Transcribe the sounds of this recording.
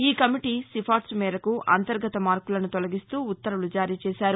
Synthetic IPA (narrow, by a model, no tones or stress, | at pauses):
iːkɐmiʈiːsipʰaːʈsmɛːɾɐkuʔɐ̰nt̪ɐɾɡɐt̪ɐmaːɾkulɐnut̪ɔlɐɡist̪uːut̪ːɐɾulud͡ʒaːɾiːt͡ʃɛːsaːɾu